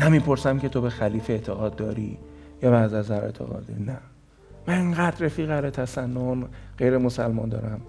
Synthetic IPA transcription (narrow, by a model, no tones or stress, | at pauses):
næmiːpʰo̞ɾsæmcʰe̞t̪ʰobe̞xæliːfeet̪ʰeɣɒːd̪̚ːɒːɾḭjɒːbɛæzæzæɾḛt̪ʰḛɣɒ̰ːd̪inæ | mæneŋɢæːd̪refiːɣæɾet̪ʰæsænːonɢ̥ejɾemosælmɒːnd̪ɒ̰ːɾæm